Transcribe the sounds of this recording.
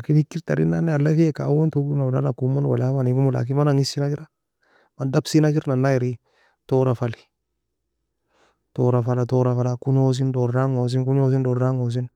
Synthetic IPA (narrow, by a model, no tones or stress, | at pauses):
akifikːiɾtaɾḭnanealːafiekawontuɡunadalakumanwa̰lawanikumula̰k̬imanaŋisinad͡ʒiɾa | madabsinakiɾnanːajiɾi | toɾafali̥ | toɾafalatoɾafalakuɲos̬indoɾɾaŋos̬inkuɲos̬indoɾɾaŋos̬in